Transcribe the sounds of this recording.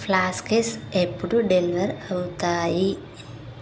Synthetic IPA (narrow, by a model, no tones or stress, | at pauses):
flaːskesepːuɽuɖeliʋɐɾɐwut̪aːji